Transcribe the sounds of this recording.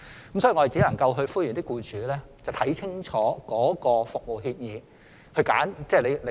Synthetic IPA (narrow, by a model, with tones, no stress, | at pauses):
kə˦msɔː˨˥i˨˩ŋːɔ˧˨˩t͡si˨˥lɐ˨˩ŋkɐ˧wɦɵ˧fuː˥jy˨nt̪ɪ˥kuː˧t͡ʃʰyː˨˧lɛː˥t͡sɐ˨wt̪ʰɐ˨˥jt͡sʰɪ˥ŋt͡ʃʰɔː˨˥kɔː˨˥kɔː˧fʊ˨k̚mo˨˩wɦi˧p̚jiː˨˧ | hɵ˧ɥka̰ː˨˥nt͡sɛː˥˩le˨˧jle˧